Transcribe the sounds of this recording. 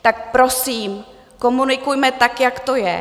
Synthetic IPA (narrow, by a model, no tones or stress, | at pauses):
t̪ak̚pɾosiːm | komunɪkujmɛt̪akjakt̪ojɛ̰